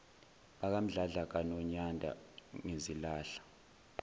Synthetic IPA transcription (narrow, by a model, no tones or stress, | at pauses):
ɓak̬am̩ɮaɮak̬anɔɲandʱa̰ŋezilaːɬḁ